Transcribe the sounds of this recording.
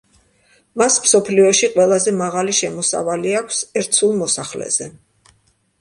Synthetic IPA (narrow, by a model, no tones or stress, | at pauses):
masmsɔpʰliɔʃiqʼwɛlˠazɛmaʁaliʃɛmɔsa̰valiakʷʰsɛɾt̪sʰulˠmɔsaχlɛ̰z̥ɛ